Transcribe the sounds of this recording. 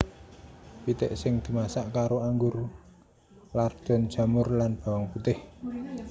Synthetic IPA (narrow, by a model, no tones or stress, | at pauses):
pit̪ɪ̰ʔsɪŋd̪̥i̤masaʔkaɾoaŋɡʊr | lard̪̥ɔ̤nd̥ʒ̥a̤mʊrlanb̥a̤wɔŋput̪ɪh